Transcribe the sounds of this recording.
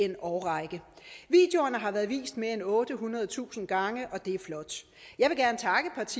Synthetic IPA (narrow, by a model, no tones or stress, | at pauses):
e̝nɒʊʁɑ̈ɪɡ̥ə | ʋḭːd̥jo̝ɐnəɦɑ̈ʋæɐðˠʋḭːsd̥me̝ɐenɔ̽ːd̥əɦunʁɐð̞ˠt͡sʰṵːsn̩ɡ̥ɑ̈ŋəʔɒ̽d̥e̝æɐflɒ̽d̥ | jɑ̈ɪʋe̝ɡ̥æɐnət͡sʰɑ̈ɡ̥əpʰɑ̈t͡sʰi